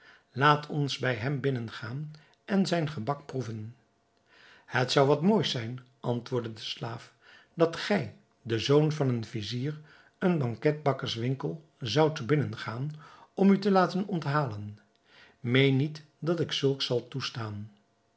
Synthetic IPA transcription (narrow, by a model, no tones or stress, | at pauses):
laːtʰɔnzbɛjɦɛmbɪnənχaːn | ʔɛnzɛjnχəbɑk̚pruvən | hətsʌwʋɑtmoːjsɛjn | ʔɑntʋʊːɹdədəslaːf | d̥ɑtχɛj | dəzownvɑnənviziːr | ənbɑŋkɛd̚bɑkəɹsʋɪŋkəlˠ | zɑwtbɪnənχaːnɔmytəlaːtənɔntɦaːlən | mejnːit | dɑtɪksɵlˠksɑlˠtustaːn